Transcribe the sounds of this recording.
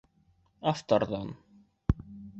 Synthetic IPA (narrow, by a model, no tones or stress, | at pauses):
aft̪ɑɾðɑn